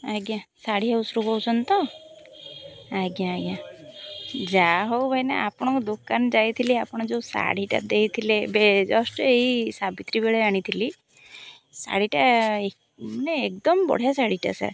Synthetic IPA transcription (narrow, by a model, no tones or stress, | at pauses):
aɡjãsaɽ̤iɦausɾukɔwt͡ʃʰɔnt̪ɔ | aɡjãːɡjã | d͡ʒaɦowbʱajnḛʔapɽ̃ɔ̃kɔd̪okand͡ʒajt̪ʰiliapɔɽ̃ɔd͡ʒewsa̰ɽ̤iʈa̰d̪ejt̪ʰilebed͡ʒɔsʈeɦisabit̪ɾibeɭɛaɽ̃it̪ʰili | sa̰ɽ̤iʈae | neːk̚d̪ɔmbɔ̰ɽ̤jasaɽiʈa̰sa̰ɾ